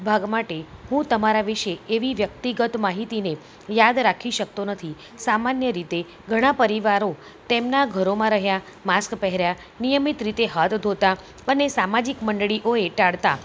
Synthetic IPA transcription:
bʱaɡmaʈeɦũt̪əmaɾaʋiʃeeʋiʋjək̚t̪iɡət̪maɦit̪ine | jad̪ɾakʰiʃək̚t̪onət̪ʰi | samanjəɾit̪e | ɡʱəɽ̃ãpəɾiʋaɾo | t̪emnaɡʱəɾomãɾəɦja | maskpɛɦɾja | nijəmit̪ɾit̪eɦat̪ʰd̪ʱot̪a | ənesamad͡ʒikməɳɖɭiʔoeʈaɭt̪a

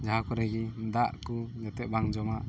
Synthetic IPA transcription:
d͡ʒaɦakɔɾaɡind̪aʔkud͡ʒat̪ɛʔbaŋd͡ʒɔmaʔ

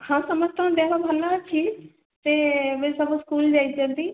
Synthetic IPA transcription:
hãːsəməd͡ʒt̪ãɦõnd̪eʋabʱəlaːt͡ʃʰiːz | t̪eːmeːsəbskuːld͡ʒaːid͡ʒə̃d̪iː

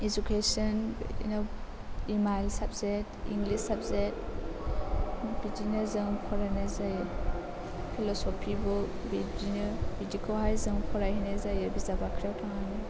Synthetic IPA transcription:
ed͡ʒukʰesɔnḭno | imajlsabzetḭŋɡlisabzet̚ | bid͡ʒinazɯŋpʰɔɾajnazajɯ | pʰilɔsɔpʰibɔ | bid͡ʒinbidikʰɔlɦajzɯŋpʰɔɾajhinezajɯbizabakʰɾawtʰaŋanɯ

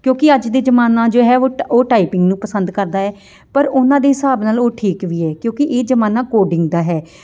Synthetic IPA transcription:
kjõːkɪəd͡ʒd̪eːd͡ʒəmaːnaːd͡ʒoːɦɛːoːoːʈaːiːpɪŋɡnũːpəsə̃nd̪kəɾd̪aːɛː | pəɾʊnãːd̪eːɦɪsaːbnaːloːʈʰiːkʋiːɛːkjõːkɪʔeːd͡ʒəmaːnaːkoːɖɪŋɡd̪aːɦɛː

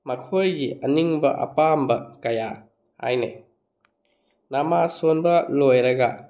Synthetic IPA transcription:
mɐkʰojɡiʔɐniŋbɐʔɐ̰pambɐkɐja | ha̰jnḛ | namasonbɐlojɾɐɡɐ

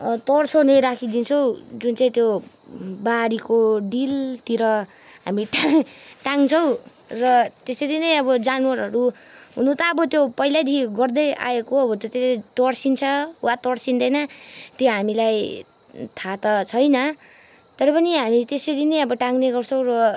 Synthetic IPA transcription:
t̪ʌɽt͡sʰʌnʌjɾakʰid̪int͡sʰʌw̃d͡zunt͡saĩt̪jo | baɾikoɖilt̪iɾʌ | ɦamiʈaʈaŋt͡sʰʌw̃ | rʌt̪esʌɾinʌjʌbʌd͡zanwʌɾʌɾu | ɦunũt̪ʌːbʌt̪jopʌɦilad̪iɡʌrd̪ʌjʔa̰ekoʌbʌt̪jot̪esɾt̪ʌɽsint͡sʰʌwat̪ʌɽsind̪ʌjnʌt̪joɦamilaj | t̪ʰat̪ʌt͡sʰʌjnʌ | t̪ʌɾʌpʌniɦamit̪esʌɾinʌjʌbʌʈaŋneɡʌrt͡sʰʌ̃w̃rʌ

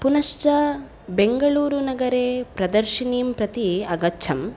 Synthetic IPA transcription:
punɐʃt͡ʃɐ | beŋɡɐɭuːɾunɐɡɐɾeːpɾɐd̪ɐɾʃiniːmpɾɐt̪iɐɡɐtːt͡ʃʰɐm

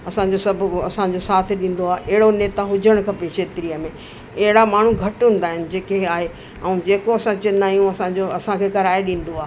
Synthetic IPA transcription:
ɐsãɲd͡ʑosɐbʱʊɐsãd͡ʑosaːt̪ʰɪ̆ɗĩːn̆d̪oaːeʔɐɦɪɽoneːt̪aɦʊd͡ʑʱəɽ̃kʰɐpekʃʰeːt̪ɾijəmẽ | ɐɦɪɽamaːɳ̤uɡʱɐʈɦũːn̆d̪aːɦɪnɪ̆d͡ʑeːkeaːɦe | ɛ̃ũd͡ʑeːkoɐsãt͡ɕɪnaːijũɐsãd͡ʑoɐsãkʰeːkɐɾaːeɗĩːn̆d̪oaːɦ

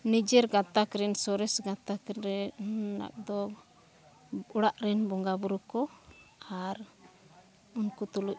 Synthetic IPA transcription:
nid͡ʒɛɾɡat̪akɾɛnsɔɾɛsɡat̪akɾɛna̰k̚d̪ɔ | uɽaʔɾɛnbɔŋɡabuɾukɔaɾ | unkut̪uluc̚

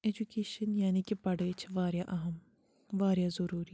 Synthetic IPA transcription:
eːd͡ʒukeːʃənjaːnikipɐɽeːt͡ʃʰʋaːɾjaʔɐɦɐm | ʋaːɾjazɐɾuːɾi

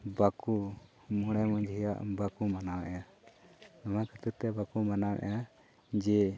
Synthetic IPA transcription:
baku | mɔɽ̃ɛmɔɲd͡ʒɦija̰ʔbakumanawɛ̰ʔɛa | namakət̪uɾt̪ɛbakumanawɛ̰ʔɛ̰a | d͡ʒɛ

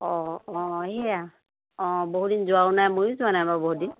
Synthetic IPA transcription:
ɔɔ̃ɦɛja | ɔ̃boɦudinzʊaʊnajmojʊzʊanajbaboɦudin

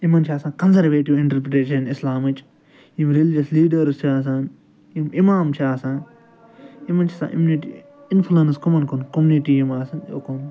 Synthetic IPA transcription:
imɐnt͡ʃʰaːsãːnkɐnsɐɾʋeːʈiwɪ̃ɳʈɐɾpɾeʈeːʃɐnislaːmɨt͡ʃʼ | jimɾilid͡ʒɐsliːɖɐɾst͡ʃʰiaːs̬aːn | jimimaːmt͡ʃʰiaːsaːn | imɐnt͡ʃʰisã̰ʔḭmniʈḭ | inflɐnskomɐnkonkomuniʈijimaːsɐno̰kon

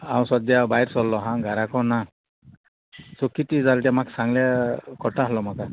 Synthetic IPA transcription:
awsɔd̪jabajɾsɔlːɔɦãɡaɾakɔna | sokitizaltiamaksaŋlakɔʈaɦlɔmaka

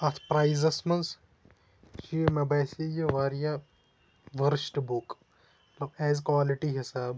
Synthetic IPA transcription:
ɐt̪ʰpɾaizɐsmɐz | t͡ʃimebɐːsijeʋaːɾja | ʋɐɾsʈbuk | mɐt̪lɐbɛːzkʋaːliʈiɦisaːb

